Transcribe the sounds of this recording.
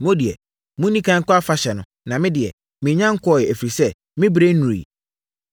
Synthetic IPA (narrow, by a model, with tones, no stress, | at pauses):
mʊ̃˦dɪ˨ɛ̰˨ | mũ˦nĩ˦kʰã˦ŋ̩˦kʰʷʊ˦a˦fa˦ɕɛ˨nʊ̃˨˦ | nã˨mɪ̃˦dɪ˨ɛ̰˨ | mɪ̃˨ɲã˦ŋ̩˦kʰɔ˦˨jɛ˨æ˨fiɾi˨sɛ˦ | mɪ̃˦bɾe˦n̩˦nũ˨ɾḭ˨